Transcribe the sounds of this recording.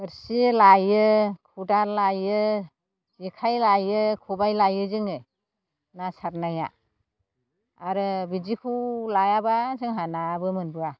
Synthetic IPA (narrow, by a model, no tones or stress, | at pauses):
ɯɾsilajɯkʰudaɾlajɯ | z̥ikʰajlajɯkʰubajlajɯzɯŋɯ | nasaɾnaja̰ | ɾɯbid͡ʒikʰulajabazɯŋɦanabɯmɯnbɯa